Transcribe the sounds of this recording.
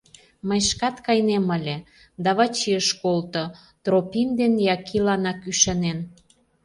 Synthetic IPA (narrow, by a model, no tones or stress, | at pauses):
məjʃkɑt̪kɑjneməlʲe | d̪ɑβɑt͡ɕiəʃkolt̪o | t̪ropimd̪enjɑkʰilɑnɑkyʃɑnen